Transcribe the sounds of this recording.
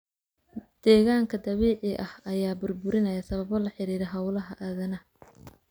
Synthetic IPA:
d̪̥ɛːɣaːŋkʰɐd̪ɐβɛːʕɪʔɐhɐjaːbʊrbʊɾɪnɐjɐsɐβɐβɔlɐħɪɾiːɾɛɦɐwlɐɦɐʔaːðɐnɐ

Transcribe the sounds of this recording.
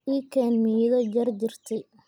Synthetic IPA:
iːkʰɛːnmiːðɐd͡ʒɐrd͡ʒɪrt̪ʰɛj

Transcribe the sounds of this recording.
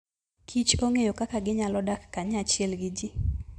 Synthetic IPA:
kʰit͡ʃoŋejokakaɡɪɲalɔdakːaɲat͡ʃɪɛlɡɪd͡ʒɪ

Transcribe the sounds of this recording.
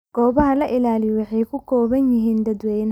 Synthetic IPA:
ɡ̥ɔːbɐɦɐlɐʔɪlaːlɪjɔwɑħɛjkʰʊkʰɔːβɐnjɪɦiːnd̪ɐd̪wɛjn

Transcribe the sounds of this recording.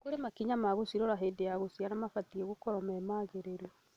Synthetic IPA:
koɾemakiɲamaɣosiɾɔɾaɦeːdejaɣosianamafatiɛɣokɔɾɔmɛmaːðeɾeɾɔ

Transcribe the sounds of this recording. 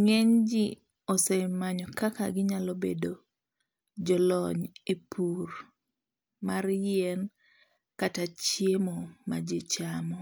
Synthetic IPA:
ŋeɲd͡ʒi | ɔsɛmaɲɔkakaɡɪɲalɔbḛdo | d͡ʒɔlɔɲepʰur | marjɛn | katat͡ʃjemɔmad͡ʒɪt͡ʃamɔ

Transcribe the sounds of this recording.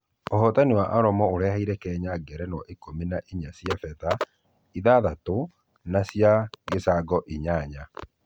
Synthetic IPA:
oɦɔtanewaʔaɾɔmɔoɾɛɦaiɾɛkɛːɲaɡɛɾɛnɔʔekominaʔiɲasjafɛta | iðaːðato | nasjaɡesaɡɔʔiɲaɲa

